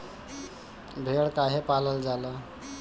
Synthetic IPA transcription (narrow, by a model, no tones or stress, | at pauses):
bʱeɭkaɦepaləld͡zala